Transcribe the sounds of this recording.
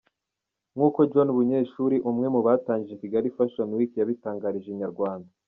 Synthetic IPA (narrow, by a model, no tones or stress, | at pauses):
ŋhuːko̞d͡ʒonβuɲe̞ːʃuːɾiʔumŋe̞muβaːtaːɲɟijekiɡaɾifaʃonwikjaβitaːŋɡaːɾiʒeɲaɾɡwaːnda